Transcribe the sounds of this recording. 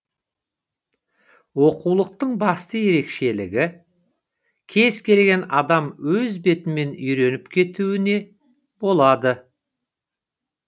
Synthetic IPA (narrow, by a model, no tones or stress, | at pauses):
wo̞qulˠəq̚t̪əɴbɑst̪əje̞ɾe̞kʃe̞lɪɡʲɪ | kʲʰe̞z̥kʲʰe̞lɡʲe̞nɑd̪ɑmwɵzbe̞t̪ɪme̞nʏjɾe̞nɪpkʲʰe̞t̪uwɪne̞ | b̥o̞lˠɑd̪ə